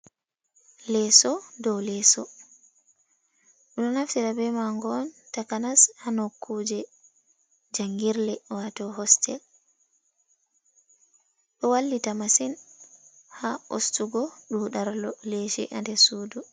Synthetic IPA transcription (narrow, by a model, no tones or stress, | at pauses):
lɛsɔdɔwlɛsɔ | ɗunɔnaftiɾabɛmaŋɡɔntakanashanɔkʰːud͡ʒɛ | d͡ʒaŋɡiɾlɛwatɔɦɔstʰɛl | ɓɛwalːitamasin | hao̰stuɡɔɗuːɗaɾlɔlɛʃɛ̰ʔa̰ndɛsuːdu